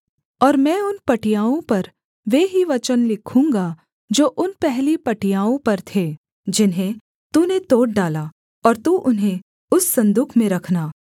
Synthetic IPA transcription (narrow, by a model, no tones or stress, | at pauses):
ɔːɾmɛ̃ːʊnpɐʈijaːõpɐɾ | ʋeːɦiʋɐt͡ʃənlɪkʰũːŋɡa | d͡ʒoːʔʊnpɛɦlipɐʈijaːõpɐɾt̪ʰeː | d͡ʒɪnɦẽ | t̪uːnet̪oːɖ̚ɖaːlaː | ɔːɾt̪uʔʊnɦẽ | ʊsːɐ̃nd̪uːkʰmẽɾɐkʰnaː